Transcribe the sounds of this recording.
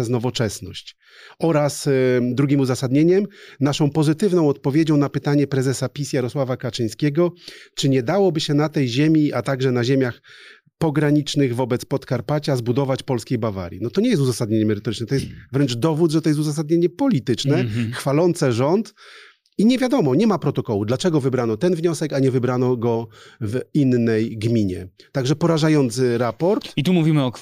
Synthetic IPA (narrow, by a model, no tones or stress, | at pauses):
ɛznɔvɔt͡ʂɛsnɔɕt͡ɕ | ɔɾasd̪ɾuɡʲimuzasad̪ɲeɲɛmnaʂɔ̃w̃pɔzɘt̪ɘvnɔ̃w̃ɔt̪̚pɔvʲjed͡ʑɔ̃w̃napɘt̪aɲɛpɾɛzɛsapʲisjaɾɔswavakat͡ʂɘj̃skʲɛɡɔt͡ʂɘɲɛd̪awɔbɘɕɛnat̪ɛjʑemʲiʔat̪aɡʐɛnaʑemʲjax | pɔɡɾaɲit͡ʂnɘɣvɔbɛt̪spɔt̪kaɾpat͡ɕazbud̪ɔvat͡ɕpɔlskʲejbava̰ɾʲjḭnɔt̪ɔɲɛjɛst̪uzasad̪̚ɲeɲɛmɛɾɘt̪ɔɾɘt͡ʂnɛt̪ɔjɛst̪vɾɛnt͡ʂd̪ɔvud̪ʐɛt̪ɔjɛs̬t̪uzas̬ad̪̚ɲeɲɛpɔlʲit̪ɘt͡ʂnɛxfalɔnt̪sɛʐɔnt̪ | iɲɛvʲjad̪ɔmɔɲɛmapɾɔt̪ɔkɔwud̪lat͡ʂɛɡɔvɘbɾanɔt̪ɛnvɲɔsɛkaɲɛvɘbɾanɔɡɔvinːɛjɡmʲiɲɛ̰t̪aɡʐɛpɔɾaʐajɔnt̪sɘɾapɔɾt̪it̪umuvʲimɘɔ